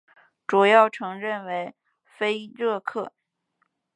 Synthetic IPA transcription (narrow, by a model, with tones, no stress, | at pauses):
ʈ͡ʂu˨˩jɑ˥˩ʊʈ͡ʂʰɤ˧˥ŋɻə˥˩nwe˧˥ɪ | fe˥ɪɻɤ˥˧kʰɤ˥˩